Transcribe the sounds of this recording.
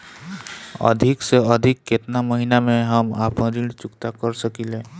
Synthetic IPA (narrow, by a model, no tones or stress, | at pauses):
ə̰d̪ʱikseəd̪ʱikːet̪naməɦinameɦəmapə̃ɾilt͡ʃʊkt̪akəɾsəkilẽ